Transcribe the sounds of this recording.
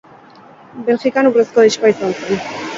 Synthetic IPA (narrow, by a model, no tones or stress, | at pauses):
belxikanureskoðiʃkaisant͡sen